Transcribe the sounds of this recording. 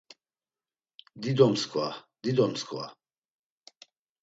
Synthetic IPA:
d̪id̪ɔmskʰvad̪id̪ɔmskʰʼwa̰

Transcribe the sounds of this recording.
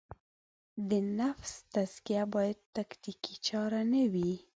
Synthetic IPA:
d̪ənafst̪azkijabɑjad̪̚t̪aknikit͡ʃɑɾanawi

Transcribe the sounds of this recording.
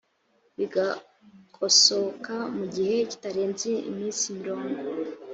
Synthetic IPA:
βiɡa | kʰo̞so̞kamuɟihe̞ci̥taɾeːnzeḭmiːnsimiɾo̞ːŋɡo

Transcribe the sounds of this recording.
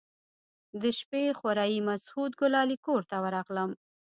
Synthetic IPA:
d̪əʃpexaɾɑjimashud̪̚ɡʊlɑlikoɾt̪awəɾɑɣləm

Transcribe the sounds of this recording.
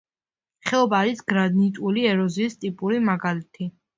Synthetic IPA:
χɛɔbaːɾisɡ̥ɾad̪nit̪ʼuliɛɾɔziːst̪ʼipʼuɾimaɡalit̪ʰi

